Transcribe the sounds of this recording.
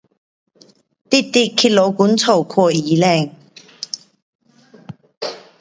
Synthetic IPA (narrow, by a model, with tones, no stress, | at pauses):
t̪i˥˧t̪i˥˧kʰːi˥lo˨˧˦wku˨˦nt͡sʰo˨˩kʰwɔ˥˧i˨˦lɛ˥˧˨ŋ